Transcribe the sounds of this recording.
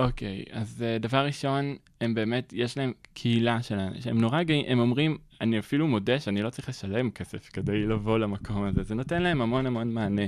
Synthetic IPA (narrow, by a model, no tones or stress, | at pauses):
ʔo̞ke̞jazedavaʁːiʃo̞n | embe̞ːme̞tjeʃlae̞mkʰehilaʃelan̰ʃeemno̞ʁaɡaimʔemo̞mʁim | aniafilumodeʃanilo̞t͡sʁiχleʃaleemkʰe̞sefke̞dejlavo̞lamakʰo̞mazeze̞no̞te̞nlae̞mhamo̞namo̞nmaːne̞